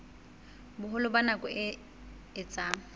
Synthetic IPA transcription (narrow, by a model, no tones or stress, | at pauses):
bʊɦʊlʊbanakʼɔɪ | ɪt͡sʼa